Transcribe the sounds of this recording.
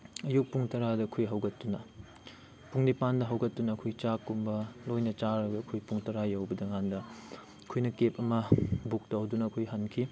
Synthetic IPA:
ɐjuk̚puŋtɐɾadɐkʰujɦɐwɡɐtːunɐ | puŋnipandɐɦɐwɡɐtːunɐːkʰujt͡ʃakːumbɐlojnɐt͡ʃaɾɐɡɐːkʰojpuŋtɐɾajɐwbɐdɐŋandɐ | kʰujnɐkep̚ɐmɐbuk̚tɐwdunɐːkʰojɦɐnkʰi

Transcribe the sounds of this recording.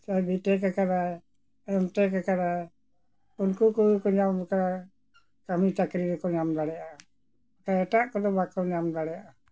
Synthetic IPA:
t͡ʃabiʈɛkakaɾa | ɛmʈɛk̬akaɾa | unkukuukɔɲambɔkaɾa | kamit̪akɾiɾɛkɔɲamd̪aɽɛja | akaɛʈaʔkɔd̪ɔbakɔɲamd̪aɽɛjaʔa

